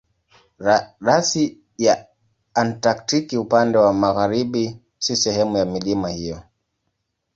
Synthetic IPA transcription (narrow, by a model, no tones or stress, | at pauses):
ɾasi | jaː | ntaktikiupandɛwamaɣaɾiɓi | sisɛhɛmujamilimahijɔ